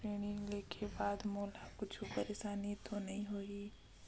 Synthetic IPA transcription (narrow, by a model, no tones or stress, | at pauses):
eːɽ̃ileːkʰebaːd̪moːlakʊt͡ʃʰupəɾeːʃaːnit̪onɐɦĩɦoːiː